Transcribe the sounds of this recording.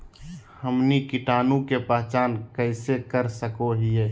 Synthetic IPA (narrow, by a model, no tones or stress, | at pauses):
həmnikɪʈaːnũkepaɦt͡ʃaːnkəɪsekəɾsəkoɦieː